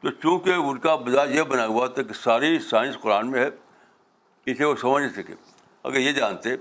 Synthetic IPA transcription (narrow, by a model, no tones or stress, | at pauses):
t̪oːt͡ʃũːkeʊnkabɐzaːjebɐnaːɡuat̪ʰakisaːɾisaːɪ̃nsqʊɾaːnmẽɦɛ | ɪseʋosɐməd͡ʒʱnesɐkḛː | ɐ̰ɡəɾjed͡ʒaːnt̪eɛ̃